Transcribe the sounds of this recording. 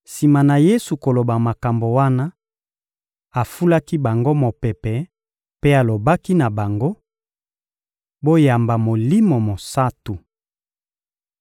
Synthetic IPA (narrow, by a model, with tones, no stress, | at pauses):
si˨ma˨na˨je˦su˨ko˨lo˨ba˨ma˨ka˨mbo˨wa˦na˦ | a˨fu˦la˦ki˦ba˨ŋɡo˦mo˨pɛ˨pɛ˨ | pe˦a˨lo˨ba˦ki˦na˨ba˨ŋɡo˦ | bo˦ja˨mba˨mo˨li˦mo˨mo˨sa˦tu˨